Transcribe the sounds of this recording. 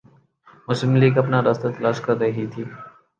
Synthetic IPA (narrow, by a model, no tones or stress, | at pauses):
mʊslɪmliːɡɐpnaɾast̪at̪ɐlaːʃkɐɾːɐɦit̪ʰiː